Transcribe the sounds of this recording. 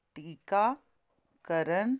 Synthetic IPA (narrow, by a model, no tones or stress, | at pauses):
ʈiːka | kəɾən